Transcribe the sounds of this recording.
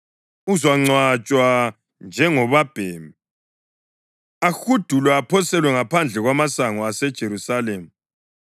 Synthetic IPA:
uzwaŋ͡ǀwat͡ʃʼwa | nd͡ʒʱɛŋɔβab̥ʱeːmi | axud̥ʱulwɛːpʰɔsɛlwɛŋapʰand͡ɮʱɛɣwamasaŋɔasɛd̥ʒ̥ʱeɾusaleːm̩

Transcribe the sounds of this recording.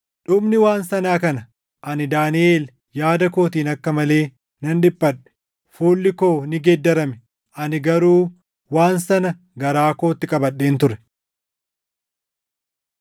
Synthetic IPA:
ᶑʊmnɪwaːnsɐnaːkɐnɐ | ʔɐnɪd̪aːnɪʔeːl | jaːd̪ɐko̞ːt̪iːnɐkːɐmɐle̞ː | nɐnᶑɪpːɐᶑɛ̥ | fuːlːɪko̞ːnɪɡɛd̪ːɐɾɐmɛ | ʔɐnɪɡɐɾuː | waːnsɐnɐ | ɡɐɾaːko̞ːt̪ːɪkʼɐbɐɗːe̞ːnt̪ʊɾɛ̥

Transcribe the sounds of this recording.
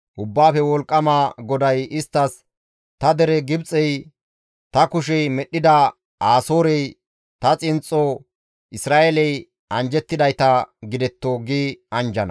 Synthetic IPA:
ʔʊbːaːfɛwɔlkʼːɐmaːɡɔd̪ɐjɪst̪ːɐs | t̪ɐd̪ɛɾɛɡɪbt͡sʼɛj | t̪ɐkʊʃ̬ɛjmɛɗːɪd̪ɐ | aːsoːɾɛj | t̪ɐt͡sʼɪnt͡sʼːɔ | ʔɪsɾaːʔelɛj | ɐnd͡ʒɛt̪ːɪd̪ɐjt̪ɐɡɪd̪ɛt̪ːoːɡiːɐnd͡ʒɐnɐ̰

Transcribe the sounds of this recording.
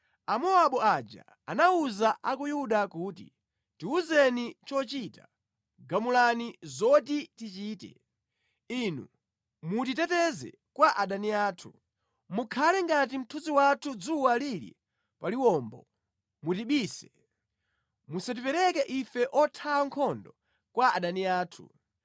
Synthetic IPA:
amɔaɓɔad͡ʒa̰ | anauzaʔakujuɗakutḭ | tiuzɛnit͡ʃɔt͡ʃita | ɡamulanizɔtitit͡ʃiːtɛ̰ | inu | mut̬it̬ɛtɛzɛ̰ | kwaʔaɗaniaːtʰu | mukʰalɛŋɡat̬im̩tʰuziwatʰud͡zuwalilḭ | paliwɔmbɔ | mutiɓiːsɛ̥ | musat̬ipɛɾɛkɛʔifɛʔɔtʰaaŋkʰɔndɔ | kwaʔaɗaniaːtʰṵ

